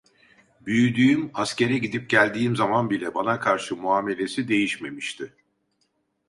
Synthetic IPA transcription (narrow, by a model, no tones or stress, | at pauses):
byjyd̪yːymasce̞ɾɛɟid̪ip̚ɟælʲd̪iːmzamanbilʲɛbanakʰaɾʃɯmuaːme̞lʲe̞sid̪e̞jiʃme̞miʃt̪ʰɪ